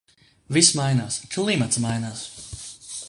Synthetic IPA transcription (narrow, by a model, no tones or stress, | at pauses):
vismajnaːskʰlˠimat̪smajnaːs